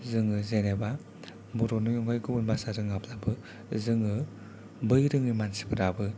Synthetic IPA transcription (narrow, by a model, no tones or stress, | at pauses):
zɯŋɯzeneba | buɾɔnujɔŋɡɔjɡɯbunbasaɾɯŋapʰlabɯ | zɯŋɯ | bɯjɾɯŋɯmansi̥pʰɯɾabɯ